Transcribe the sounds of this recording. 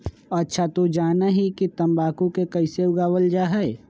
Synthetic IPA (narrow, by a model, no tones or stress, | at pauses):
ɐtːʃʰat̪od͡ʒaːnaɦikit̪ɐ̃mbaːkukekɐɪseʊɡaːwəld͡ʒaːɦɛː